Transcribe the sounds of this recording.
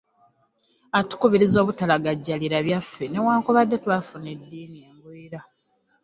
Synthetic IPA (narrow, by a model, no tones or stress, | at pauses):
atu̥kuβiɾizo̞ːβutalaɡaɟːaliɾaβjafːe̞ne̞waːŋkuβadːe̞twafune̞dːiːnieːmbwiːɾa